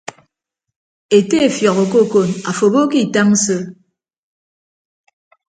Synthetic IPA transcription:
e˨te˦e˨fjɔ˨ko˨ko˦˨ko˦˨na˨fo˨bo˦ki˦˨ta˦ŋ̩˦sə˦

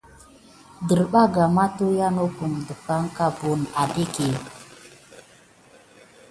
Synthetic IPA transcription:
də˨ɾɓa˦ɡa˨ma˦tu˦ja˦no˦pu˨mdə˨fa˦ŋ˦ka˦bo˨na˨de˦ke˨

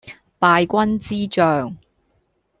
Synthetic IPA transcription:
paː˧jkʷɐ˥nt͡siː˥t͡ʃœː˨ŋ

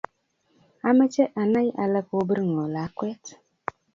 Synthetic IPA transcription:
a˦mɛ˦t͡ʃɛ˦ʔa˨na˦jʔa˨lɛ˦ko˦bə˦ɾŋ˨o˨la˨˦kwɛ˦t

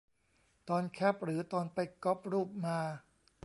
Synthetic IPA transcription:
t̪ɔː˧nkʰɛ˦˥˩p̚ɾɯː˩˦t̪ɔː˧npa˧jkɔ˦˥p̚ɾuː˥˩p̚maː˧

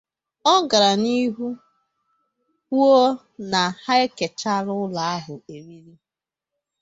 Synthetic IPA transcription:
ɔ˦ɡa˨ɾa˨ni˦ɦu˦ | ku˦o˦ | na˨ha˦ɪ˦ke˨t͡ʃa˦ɾʊ˦la˨a˦ɦʊ˨e˨ɾi˦ɾi˦

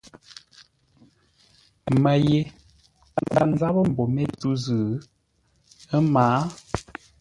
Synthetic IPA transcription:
mə˨je˨ | a˦˨nda̰˨n˦za˦bə˦m̩˨bo˨mɛ˦tu˦zɨ˨˦ | ə˦maː˨˦

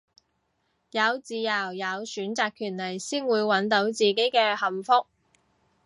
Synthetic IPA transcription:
jɐ˨˧wt͡siː˧jɐ˨˩wjɐ˨˧wsyː˨˥nt͡saː˧kʰːyː˨˩nlɐ˨˩jsiː˥nwuː˨˧jwɐ˨˥nt̪o˨˥wt͡siː˨ke˨˥jkɛː˧hɐ˨˩mfʊ˥k̚

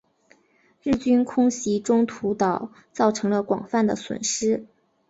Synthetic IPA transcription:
ɻɻ̩˥˩t͡ɕy˥nkʰʊ˥ŋɕi˧˥ʈ͡ʂʊ˥ŋt̪ʰu˧˥t̪ɑ˨˩˦ʊ | t͡sɑ˥˩ʊʈ͡ʂʰɤ˧˥ŋlə˧kwɑ̰˨˩ŋfa˥˩nd̪ə˩swə̰˨˩nʂɻ̩˥

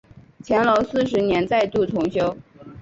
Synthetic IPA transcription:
t͡ɕʰjɛ˧˥nlo˧˥ʊsɹ̩˥˩ʂ̬ɻ̩˧˥njɛ˧˥nt͡sa˥˧ɪt̪u˥˩t̪ʰʊ˧˥ŋɕjo˥ʊ

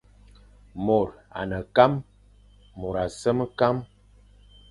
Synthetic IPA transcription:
mo˨ɾa̰˨nə˨ka˦mː | ɔ˨ɾa˨sə˦mə˦ka˦m

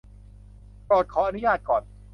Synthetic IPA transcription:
pɔː˨˩t̪̚kʰɔː˩˦ʔa˧nu˦˥jaː˧˩t̪̚kɔː˨˩n

